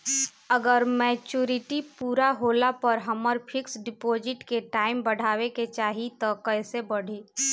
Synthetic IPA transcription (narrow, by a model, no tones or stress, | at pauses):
ɐɡəɾmɛːt͡ʃuːɾɪʈipuːɾaɦoːlapɐɾɦɐməɾpʰɪksɖɪpoːd͡ʒɪʈkeʈaːɪmbɐɽ̤ʱaːʋeket͡ʃaːɦit̪okɛːsebɐɽ̤ʱeː